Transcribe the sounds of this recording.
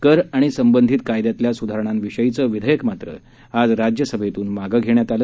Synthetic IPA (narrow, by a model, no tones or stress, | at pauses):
kəɾaɽ̃isəmbənd̪ʱit̪kajd̪jat̪ljasud̪ʱaɾəɳ̃amʋiɕəjit͡səːʋid̪ʱəjəkmat̪ɾə̰ | ad͡zɾad͡ʑjəsəbʱet̪uːnmaɡəɡʱeɳjat̪al